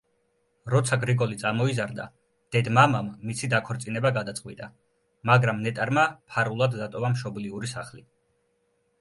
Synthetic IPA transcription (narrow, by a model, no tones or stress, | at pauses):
ɾɔt̪sʰaɡɾiɡɔlit̪sʼamɔizaɾd̪a̰ | d̪̥ɛd̪mamamːisid̪akʰɔɾt̪sʼinɛbaɡad̪at̪sʼqʼwit̪ʼa | maɡɾamnɛt̪ʼaɾmapʰaɾulˠad̪ːat̪ʼɔvamʃɔbliuɾisaχli